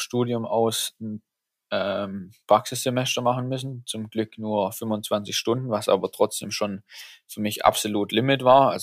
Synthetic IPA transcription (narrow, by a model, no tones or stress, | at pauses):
ʃtuːdjʊmaʊsn | ʔɛːmpʁ̥aksɪsz̥emɛstɐmaχn̩mʏsn̩t͡sʊmɡlʏknuːɐfʏmvʊnt͡sv̥ant͡sɪçʃtʊndn̩vasʔa̰ːbɐtʁ̥ɔt͡sd̥ḛːmʃoːnfyɐmɪçʔa̰psoluːtlɪmɪtv̥aːɐalz